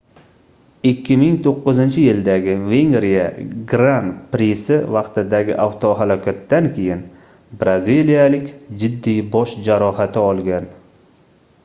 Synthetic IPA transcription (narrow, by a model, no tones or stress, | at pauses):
ɪkʲʰːɪmɪŋt̪ʰoqːɨzɪnt͡ʃʰɪjɪld̪aɡʲɪve̞ŋɡɾijaɡɾanpɾisɪvɑqt̪ɪd̪aɡʲɪ̰ʔawt̪ʰoɦalɒkʲʰat̪ːankʲʰe̞jɪn | bɾazilijalɪkʲd͡ʒɪd̪ːijbɒʃd͡ʒaɾɒhat̪ʰɪɒlˠɡʲan